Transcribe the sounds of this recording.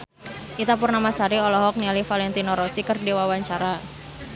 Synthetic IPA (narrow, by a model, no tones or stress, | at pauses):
ʔit̪apurnamasaɾiɔlɔɦɔk̚nialifalɛnt̪inɔɾɔsikərdiwawaɲt͡ʃaɾa